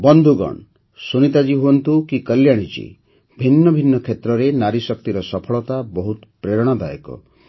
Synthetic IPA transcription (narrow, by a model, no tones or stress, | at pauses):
bɔnd̪ʱuɡɔ̰ɳ | sunit̪ad͡ʒiɦuɔnt̪ukikəljaɽ̃it͡ʃḭ | bʱinːɔbʱinːɔkʰet̪ɾɔɾenaɾisɔk̚t̪iɾɔsɔpʰɔɭɔt̪abɔɦut̪pɾeɾɔɽ̃ɔd̪ajɔkɔ̰